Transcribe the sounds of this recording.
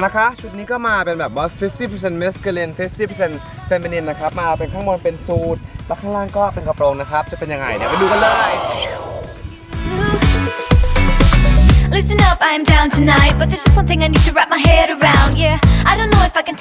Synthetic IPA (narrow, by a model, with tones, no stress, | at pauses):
na˦˥kʰa˦˥t͡ɕʰu˨˩t̪̚niː˦˥kɔː˥˩maː˧pe˧nbɛː˨˩p̚ba˦˥sfi˦˥ft̪iː˥˩pʰə˧se˧nmɛ˦˥sku˧li˧nfi˦˥f̚t̪ʰiː˥˩pʰə˧se˧n | fe˧mi˧ni˧nːa˦˥kʰa˦˥p̚maː˧pe˧nkʰaː˥˩ŋbo˧npe˧nsuː˦˥t̪̚lɛː˦˥kʰaː˥˩laː˥˩ŋkɔː˥˩pe˧nkʰa˧pɾoː˧ŋna˦˥kʰɾa˦˥p̚t͡ɕa˨˩pe˧nja˧ŋa̰˧jdɛ̰˦˧˩ma˧duː˧ka˧nlɤː˧˩j | lɪsɨ̃nʌpaɪə̃mdãʊ̃ntʰɨnaɪt̚b̥ʌt̪̚ðɪsd͡ʒ̥ʌst̚wʌ̃nθɪ̃ŋaɪniːd̚tʰəɹæp̚maɪɦɛːɾəɹãʊ̃ndjɛaɪdõʊ̃nːoʊɪfaɪkɨ̃n